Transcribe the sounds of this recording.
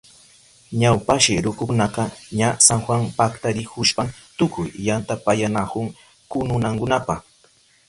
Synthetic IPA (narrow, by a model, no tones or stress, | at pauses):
ɲawpaʃɪɾʊkʊnaqɑɲasaŋxwaŋpakt̪aɾɪkʊʃpamt̪ʊkʊjːant̪apajanakʊŋ | kʊnʊnaŋkʊnapɑχ